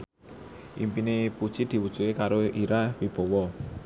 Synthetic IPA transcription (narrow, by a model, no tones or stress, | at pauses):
ʔḭmpinepud̥ʒ̥id̪̥i̤wud̥t͡ʃuekaɾoʔiɾawib̥ɔ̤wɔ